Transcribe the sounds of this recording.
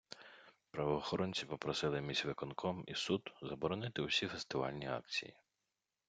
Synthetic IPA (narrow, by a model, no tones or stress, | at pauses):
pɾɐʋɔːxɔɾɔnʲt͡sʲipɔpɾɔsɪlˠɪmʲizʲʋɪkɔnkʰɔmḭsud̪zɐbɔɾɔnɪt̪ɪwʊsʲifest̪ɪʋɑ̰lʲnʲiɑ̰kt͡sʲḭji